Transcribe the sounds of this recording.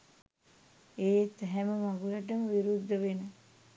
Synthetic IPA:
eːt̪ːɛɦæməmaɡulaʈəməʋiɾud̪ːəʋenə

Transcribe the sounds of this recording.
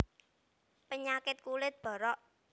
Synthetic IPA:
pəɲakɪt̪̚kulɪt̪̚b̥ɔ̤ɾɔʔ

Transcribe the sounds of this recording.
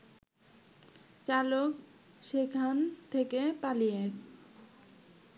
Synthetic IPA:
t͡ɕalok | ʃekʰant̪ʰekepalije

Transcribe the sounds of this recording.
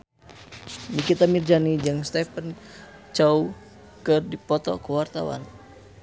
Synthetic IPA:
nikit̪amird͡ʒanid͡ʒɨŋst̪ɛpən | t͡ʃau | kɨrdipɔt̪ɔ̰kuwart̪a̰wa̰n

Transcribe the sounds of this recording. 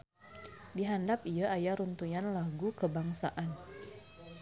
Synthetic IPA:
diɦandapiaʔajaɾunt̪ujanlaɡukəbaŋsaʔan

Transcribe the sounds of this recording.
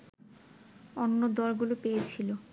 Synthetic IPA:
onːod̪ɔɾɡulopejet͡ɕʰilo

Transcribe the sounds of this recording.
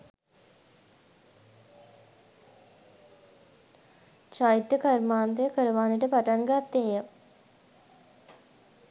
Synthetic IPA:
t͡ʃait̪ːəkəɾmaːnt̪ejəkəɾəʋaːneʈəpaʈaŋɡat̪ːeːjə

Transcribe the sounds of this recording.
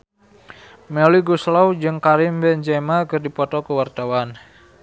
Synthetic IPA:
mɛliɡuslɔwd͡ʒɨŋkaɾɪmbɛnd͡ʒɛmakɨrdipɔt̪ɔkəwart̪awan

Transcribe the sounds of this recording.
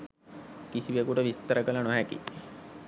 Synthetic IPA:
kisiʋekuʈəʋist̪əɾəkəlanoɦɛkḭ

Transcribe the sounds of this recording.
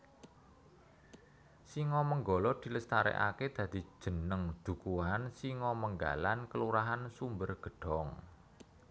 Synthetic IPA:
siŋɔməŋɡɔlɔd̪̥i̤ləst̪aɾɛ̰ʔa̰ked̪̥ä̤d̪̥i̤̥ʒ̥ə̤nəŋd̪̥ṳkuansiŋɔməŋɡa̰lankəluɾaɦansumbərɡ̥ə̤ɖ̥ɔ̤ŋ

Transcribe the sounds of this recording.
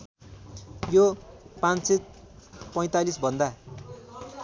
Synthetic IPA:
jopãnset̪̚ | pʌj̃t̪alisbʱʌnd̪a

